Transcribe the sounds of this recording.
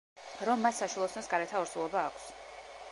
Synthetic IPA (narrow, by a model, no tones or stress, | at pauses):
ɾɔmːasːaʃulˠɔsnɔsɡaɾɛt̪ʰaɔɾsulˠɔbaːkʷʰs